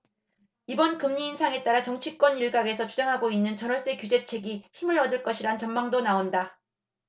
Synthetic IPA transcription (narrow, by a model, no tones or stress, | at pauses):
ibʌnkɯmɲiːnsʰaŋe̞t͈aɾat͡ɕʌŋt͡ɕʰik͈wʌniɭɡaɡe̞sʰʌt͡ɕʰud͡ʑʌŋɦaɡoinːɯnt͡ɕʌnʌɭs͈ekjud͡ʑe̞t͡ɕʰe̞ɡiçimɯɾʌdɯɭk͈ʌɕʰiɾant͡ɕʌmmaŋdonaonda